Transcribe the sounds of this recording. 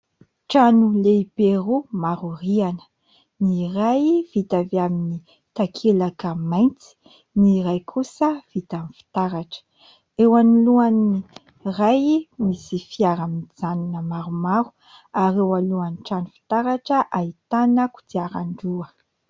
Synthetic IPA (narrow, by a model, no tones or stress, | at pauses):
ʈ͡ʂanuleiberumaɾurianə̥ | nirajv̥it̪avamini | t̪akʰelakəmajnt͡si̥ | niɾajkʰusəv̥it̪anifi̥t̪aɾaʈ͡ʂə̥ | ewaniluani | rajmisifiaɾaminid͡zaninəmaɾumaɾu̥ | aɾewaluanʈ͡ʂanufi̥t̪aɾaʈ͡ʂəʔait̪anaku̥d͡ziaɾaɳɖ͡ʐuə